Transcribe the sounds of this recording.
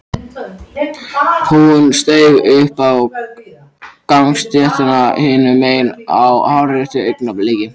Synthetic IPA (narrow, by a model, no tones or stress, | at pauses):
hunst̪eːjɣʏhpaw | kaŋst̪jɛht̪anahɪːnʏmeːjna̰whawɾɛht̪ʏejknapleːcɪ